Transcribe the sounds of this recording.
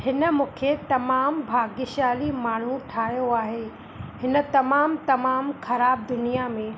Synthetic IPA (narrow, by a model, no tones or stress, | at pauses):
hɪnə̆mũːkʰet̪ɐmaːmbʱaːɡɪʃaːlimaːɳ̤ũʈʰaːɦjoaːɦeː | hɪnə̆t̪ɐmaːmt̪ɐmaːmxɐɾaːb̚d̪ʊnijamẽː